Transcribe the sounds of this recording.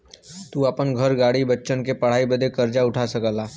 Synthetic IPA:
t̪uːapənɡʱəɾɡaɽibətːʃənkepəɽ̤aibəd̪ʱekəɾd͡ʒauʈʰasəkəla

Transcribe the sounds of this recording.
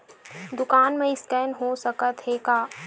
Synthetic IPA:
d̪ʊkaːnmẽɪsʈɛːnɦoːsɐkət̪ɦeːkaː

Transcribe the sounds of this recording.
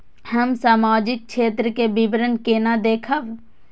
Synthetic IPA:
həmsaːmaːd͡ʒɪk̚ʃʰeːt̪ɾəkebɪbɾənkeːnad̪eːkʰəʋ

